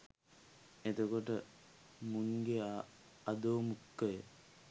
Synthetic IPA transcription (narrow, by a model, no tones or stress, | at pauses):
ed̪okoʈə | muŋɡea | ɐd̪oːmukːɐje